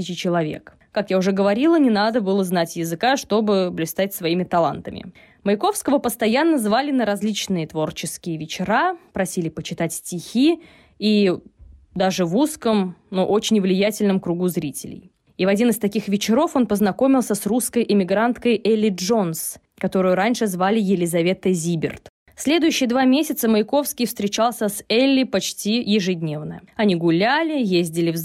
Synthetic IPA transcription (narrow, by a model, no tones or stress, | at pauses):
ɪt͡ɕɪt͡ɕɪlˠɐvʲe̞̰k | kakjaʊʐɛɡəvɐɾʲilˠənʲɪnad̪əbɨlˠəznatʲjɪzɨkaʂt̪o̞bɨblʲɪst̪atʲsvɐimʲɪt̪ɐlˠa̰nt̪əmʲɪ̰ | məɪko̞fskəvəpəst̪ɐjanːəzvalʲɪnəɾɐzʲlʲit͡ɕnɨjət̪vo̞rt͡ɕɪskʲɪjəvʲɪt͡ɕɪɾapɾɐsʲilʲɪpət͡ɕɪt̪atʲsʲtʲɪxʲi | i | d̪aʐɨvuskəmnuʔo̞t͡ɕɪnʲvlʲɪjætʲɪlʲnəmkɾʊɡuzɾʲitʲɪ̰lʲɪ̰j | ivɐdʲinɨst̪ɐkʲixvʲɪt͡ɕɪɾo̞fo̞npəznɐko̞mʲɪlˠsʲəsruskəjʔɪmʲɪɡɾant̪kəjʔɛlʲːɪʐo̞ns | kɐt̪o̞ɾʊjʊɾanʲʂɨzvalʲɪjɪlʲɪzɐvʲe̞t̪əzʲibʲɪ̰rt̪ | fsʲlʲe̞d̪ʊjʉɕːɪjəd̪vamʲesʲɪt̪səməɪko̞fskʲɪjfst̪ɾʲɪt͡ɕalˠsʲəsɛlʲːɪpɐt͡ɕtʲijɪʐɨdʲnʲe̞vnəɐnʲiɡʊlʲælʲɪjezʲdʲɪlʲɪv